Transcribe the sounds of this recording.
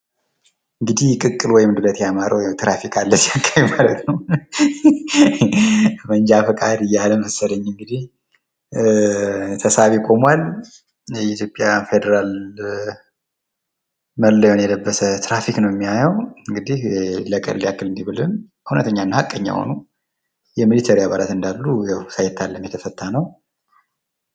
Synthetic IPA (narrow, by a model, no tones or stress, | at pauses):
ɨŋɡɨd̪ihkʼɨkʼːɨlwɔjɪmnd̪ɨlət̪jamaɾəwjɛt̪ʰɾafikʰalːəsijakʰʼːajumalət̪nəw | məɲd͡ʒafəkʼad̪ɨjːaləməsːəd̪əɲːɨŋɡɨd̪ih | t̪ʰəsaβikʰʼo̞mwal | jɛit̪ʰjo̞pʼːjafed̪əɾal | məlːəjonjɛləbːəsət̪ɾafiknəwjɛmːiajɛwɨŋɡɨd̪ihləkʼə̰lːiakːɨlɨnd̪ibɨlɨn | hunə̰t̪ʰəɲːanːhakʼːəɲːa̰ho̰nu | jɛmilit̪ʰəɾijaβalat̪ɨnd̪alːujɛwsajɛt̪ʰːalːəmjɛt̪ʰəfət̪ʰːanəw